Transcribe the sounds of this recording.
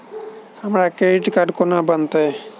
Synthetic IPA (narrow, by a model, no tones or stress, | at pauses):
hamɾakeʈkaɖkonabant̪e